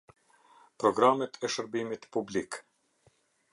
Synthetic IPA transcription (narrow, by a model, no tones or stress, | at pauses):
pɾɔɡɾamɛt̪ʰɛʃəɾbimit̪publik